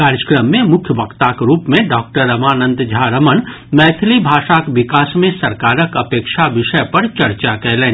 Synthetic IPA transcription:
kaːɾjəkɾəmːẽmʊkʰjəbʱɐkt̪akɾuːpmẽɖɔːk̚ʈəɾɐmaːnə̃nd̪d͡ʒʱaɾɐmən | mɛːt̪ʰlibʱaːʃakʋɪkaːsmẽsɐɾkaːɾəkɐpeːkʃaʋɪʃəpɐɾt͡ʃɐɾt͡ʃakɛɦlẽː

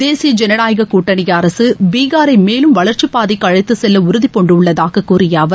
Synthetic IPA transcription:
d̪eːsɪjɐd͡ʒɛnɐnaːjɣɐkuːʈːɐnɪjɐːɾɐsɯbiːɣaːɾɐɪmeːlɯmʋɐɭɐɾt͡ʃipaːðɪkːɐɻɐɪt̪ːɯsɛlːɐʊɾɯðɪpːɔɳɖɯʊɭːɐðaːɣɐkːuːrɪjaːʋɐɾ

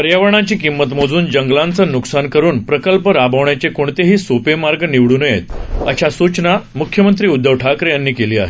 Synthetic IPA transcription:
pəɾjaʋəɾɳ̃at͡ɕiːkimːət̪m̤od͡zuːnd͡ʑəŋɡlãnt͡sənuksankəɾuːnpɾəkəlpəɾabʱəʋɳjat͡ɕekoɳt̪eɦiːsopemaɾɡniʋɽuːnəjḛt̪ə̰ɕasut͡ɕnamukʰjəmənt̪ɾiːud̪ːəʋʈʰakɾjanːiːkeliːa̰ɦḛ

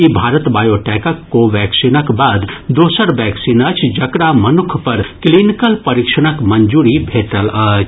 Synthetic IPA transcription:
ibʱaːɾət̪baːjoːʈɛːkəkːoʋɛːksiːnəkbaːd̪d̪oːsəɾʋɛːksiːnɐt͡ʃʰd͡ʒɐkɽamɐnʊkʰpɐɾkliːnɪkəlpɐɾɪkʃəɽ̃əkmɐ̃ɲd͡ʒuːɾibʱeːʈəlɐt͡ʃ

